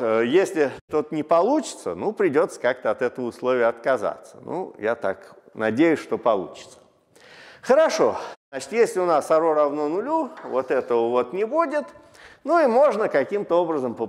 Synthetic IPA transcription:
jesʲlʲɪt̪ot̪ənʲɪpɐlˠut͡ɕɪ̥t̪sə̰nupɾʲɪdʲo̞t̪sə̥kak̚t̪əɐt̪ɛt̪əvəʊslˠovʲɪjəɐt̪kɐza̰t̪sənʔṵjat̪a̰knɐdʲejʊsʲʂt̪o̞pɐlˠṵt͡ɕɪ̥t̪sə̥ | xəɾɐʂo̞nat͡ɕɪ̥t̪jesʲlʲɪʊnasɐɾoɾɐvnonʊlʲuvot̪ɛt̪əvəvo̞t̪nʲɪbudʲɪt̪ | nuimo̞ʐnəkɐkʲimt̪əo̞bɾəzəmpə

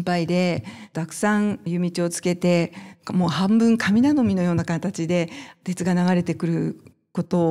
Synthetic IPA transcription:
mpaid̪e̞t̪akɯ̟̥sãɰjɯ̟mʲit͡ɕio̞t͡sɨ̥ke̞t̪e̞mo̞ːhãmbɯ̟̃ŋkʰamʲinano̞mʲino̞jo̞ːnakat̪at͡ɕid̪e̞t̪e̞t͡sɨɡanaɡaɾe̞t̪e̞kɯ̟ɾɯ̟ | ko̞t̪o̞

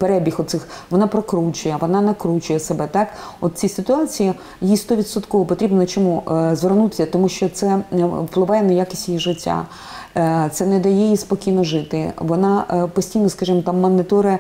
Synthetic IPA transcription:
peɾɛbʲixɔt̪sɪxʋɔnɑpɾɔkɾut͡ʃʊjɛʋɔnɑnɐkɾut͡ʃʊjɛsebɛt̪ɑkɔt̪̚t͡sʲisɪt̪ʊɑt͡sʲiji | jist̪ɔʋʲid̪sɔt̪kɔʋɔpɔt̪ɾʲibnnɐt͡ʃɔmuzʋernut̪ɪ̥sʲɐt̪ɔmuʃt͡ʃɔt̪sɛplˠɪʋɑjɛnɐjakʲɪ̥sʲtʲijiʒɪtʲːa̰ | t̪sɛnɛd̪ɐjɛispɔkʲijnɔʒɪt̪ɪʋɔnɑpɔsʲtʲijnɔskɐʒimɔt̪ɑmːɐnːɪt̪ɔɾɪ

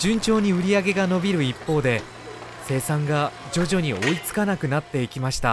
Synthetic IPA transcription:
d͡ʑɨ̃ɲt͡ɕo̞ːɲ̟iɯ̟ɾʲiaɡe̞ɡano̞bʲiɾɯ̟ipːo̞ːd̪e̞ | se̞ːsãŋɡad͡ʑo̞ʑo̞ɲ̟io̞it͡sɨ̥kanakɯ̟nat̪ːe̞ikʲimaɕi̥t̪a̰

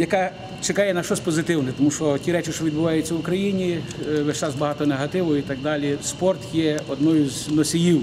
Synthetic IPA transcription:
jɐkɑ | t͡ʃekɑjɛnɐʃɔsʲpɔzɪt̪ɪwnɛt̪ɔmuʃɔtʲiɾɛt͡ʃɪʃt͡ʃɔʋʲid̪̚bʊʋɑjʊt͡sʲːɐwʊkɾɐjinʲiʋeʃt͡ʃɑzbɐɦɑt̪ɔneɦɐt̪ɪʋɔjʊit̪ɐɡ̚d̪ɑlʲispɔrt̪jɛɔd̪nɔjʊznɔsʲijiw

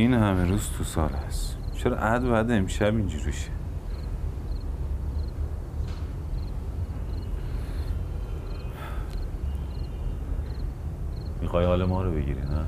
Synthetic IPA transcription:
inhæmeɾuːzt̪ʰusɒːlæs | t͡ʃʰeɾɒ̰ːʔæd̪bæd̪eemʃæbind͡ʒuːɾiʃe | mixɒːjɒːlemɒːɾobeɟḭɾinæ

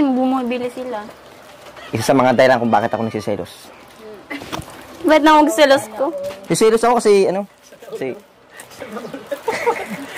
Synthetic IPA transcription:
ɪmbumɐɐbilɪsɪla | ʔɪsasɐmɐŋad̪ɐːɪlaŋkʊŋba̰ːkɪt̪ɐkonɐsɪsɛ̰lo̰s | bahɪt̪nɐŋwɐɡsɛloskosɪsɛːlosɐkokɐsɛɐno | si

